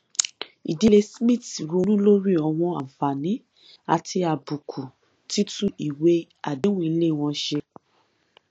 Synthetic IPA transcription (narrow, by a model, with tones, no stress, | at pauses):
i˨di˨˧le˧smĩ˦˨ti˨ɾo˧˦nũ˦lo˦ɾi˦˨ɔ˧˨w̃ɔ̃˧a˨fa˨nĩ˨˦ | a˨ti˧a˨bu˨kʰu˨ | ti˦tũ˦i˨we˧˦ | a˨de˨˦w̃ũ˦i˧le˦˨w̃ɔ̃˧ʃe˧